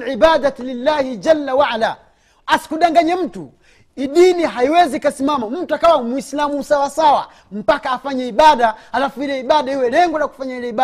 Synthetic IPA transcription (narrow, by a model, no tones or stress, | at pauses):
lʕibadalilːaːhid͡ʒalːawaʕala | asi̥kuɗaŋɡaɲɛm̩tu | iɗiniɦaiwɛzikasimamam̩tuakawamwuislamuːsawasawa̰ | m̩pakaːfaɲɛiɓaɗaalafuilɛiɓaɗaiwɛlɛŋɡɔlaku̥faɲailɛiɓa